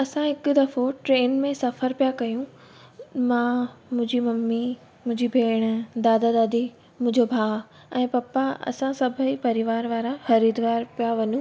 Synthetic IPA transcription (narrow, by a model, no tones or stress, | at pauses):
ɐsãɦɪkʊd̪ɐfoʈɾeːnmẽsɐfəɾpijakɐjũ | mãmʊ̃ɦd͡ʑimɐmːi | mʊ̃ɪ̃ɲd͡ʑibʱeːɽ̃d̪aːd̪ad̪aːd̪i | mʊ̃ɦɪ̃ɲd͡ʑobʱaː | ɛ̃ːpɐpaɐ̰sãsɐbʱəipɐɾɪʋaːɾʋaːɾaxɐɾiːd̪ʋaːɾpijaʋɐɲũ